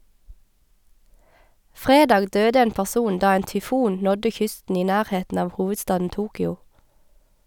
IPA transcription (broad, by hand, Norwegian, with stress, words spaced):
ˈfʁeːdɑːɡ ˈdøːdə ˈeːn pæʁˈsuːn ˈdɑː ˈeːn tʏˈfuːn ˈnɔdə ˈçʏstn̩ ˈiː ˈnæːʁˌheːtn̩ ˈɑːʋ ˈhuːʋədˌstɑːdn̩ ˈʔtuːkʏʊ